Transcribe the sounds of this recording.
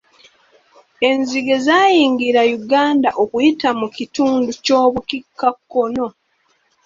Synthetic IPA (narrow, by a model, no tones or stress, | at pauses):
e̞nziɡe̞zaːjiːŋɡiɾajuɡaːndaʔokujitamucituːnduco̞ːβukikːakːo̞no̞